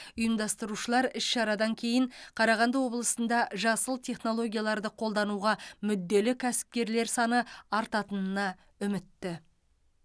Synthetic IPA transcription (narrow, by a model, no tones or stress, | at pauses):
ʊjəmd̪ɑst̪əɾuʃəlˠɑɾɪsʃɑɾɑd̪ɑŋkʲʰe̞jɪɴqʰɑɾɑʁɑnd̪əwo̞blˠəsənd̪ɑʒɑsəlˠt̪ʰe̞χno̞lˠo̞ɡʲijalˠɑɾd̪əqʰo̞lˠd̪ɑnuʁɑmʏd̪ːe̞lɪkʲʰæsɪ̥p̚kʲe̞ɾle̞ɾsɑnəɑɾt̪ɑt̪ənənɑ | ʏmɪt̪ːɪ